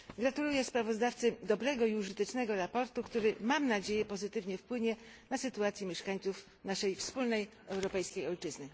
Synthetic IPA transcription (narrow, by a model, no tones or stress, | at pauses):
ɡɾat̪ulujɛspɾavɔzd̪aft̪sɘd̪ɔbɾɛɡɔiuʐɘt̪ɛt͡ʂnɛɡɔɾapɔɾt̪ukt̪uɾɘmamnad͡ʑejɛpɔzɘt̪ɘvɲɛfpwɘɲɛnasɘt̪uat̪sʲjɛmʲjɛʂkaɲt̪suf | naʂɛjfspulnɛj | ɛwɾɔpɛjskʲejɔlt͡ʂɘznɘ